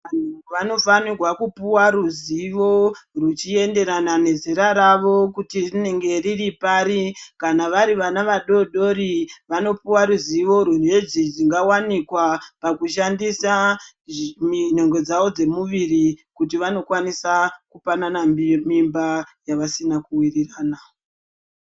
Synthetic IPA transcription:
ʋan̤uʋano̞fanirwakupuwaɾuziʋo̞rut͡ʃie̞nde̞ɾanane̞zeɾaɾaʋo̞kutirine̞ŋɡe̞riripaːɾikanaʋaɾiʋanaʋaɗo̞ɗo̞ɾiʋano̞puwaɾuziʋo̞ɾun̤ed͡zid͡ziŋɡawanikwapakuʃandisa | mino̞ŋɡwe̞d͡zaʋo̞d͡ze̞muʋirikut̬iʋano̞kwanisakupananammimbajaʋasinakuwiriraːna

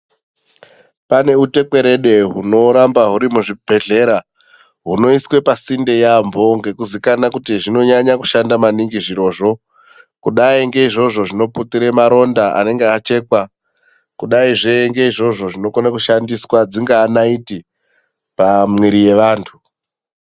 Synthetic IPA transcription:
pane̞ute̞kwe̞ɾe̞ɗe̞ɦuno̞ɾambaɦuɾimuʐibʱe̞ɮe̞ɾa | ɦuno̞iswe̞pasinde̞jambo̞ŋɡe̞kuzikanakutiʐino̞ɲaɲaku̥ʃandamaniŋɡiʐiɾo̞ːʐo̞ | kuɗaiŋɡe̞iʐo̞ʐo̞ʐino̞putiɾe̞maɾo̞ndaʔa̰ne̞ŋɡeat͡ʃe̞ːkwa | kuɗaiʐeŋɡe̞iʐo̞ʐo̞ʐino̞konakuʃandiswad͡ziŋɡaːnaiti | pamweɾije̞ʋaːntʰu

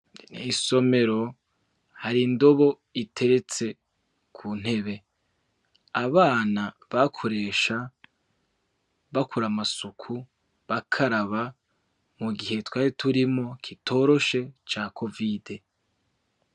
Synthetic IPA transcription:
niso̞me̞ɾo̞ | haɾindo̞βo̞ | itʰe̞ɾe̞t͡se̞ | kʰun̥he̞βe̞ | aβaːna | βakʰo̞ɾe̞ːʃa | βakuɾamasukʰu | βakʰaɾaβa | muɡiɦe̞twaːjitʰuɾimo̞kʰitʰo̞ːɾo̞ʃe̞t͡ʃaːkʰo̞vide

